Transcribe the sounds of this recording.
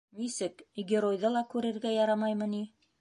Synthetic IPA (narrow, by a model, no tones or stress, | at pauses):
nisɘkɡʲɪɾojd̪ɤlˠɑkʉɾɘ̆ɾɡæjɑɾɑmɑjmɤ̆ni